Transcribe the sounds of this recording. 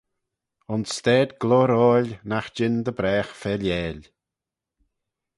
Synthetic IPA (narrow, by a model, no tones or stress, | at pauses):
ʊnst̪ɛːd̪ɡlɔɾɔːlʲnaxd͡ʒɪnd̪əbɾɛːxfɛljɛːlʲ